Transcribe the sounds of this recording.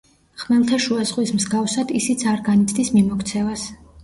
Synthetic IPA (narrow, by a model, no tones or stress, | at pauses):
χmɛlˠt̪ʰaʃuazʁwismzɡafsad̪isit̪sʰaɾɡanit̪ʰd̪ismimɔkʰt̪sʰɛvas